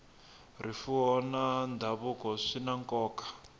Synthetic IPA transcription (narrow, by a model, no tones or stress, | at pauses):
rifuɔnand̪ʱaβukɔʂinaŋkɔːkḁ